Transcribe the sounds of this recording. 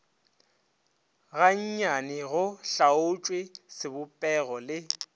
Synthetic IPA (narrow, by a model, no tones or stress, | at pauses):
ɣaɲ̩ɲanɪɣʊɬaʊt͡ʃʼwɪsɪbʊpʼɛɣɔlɪ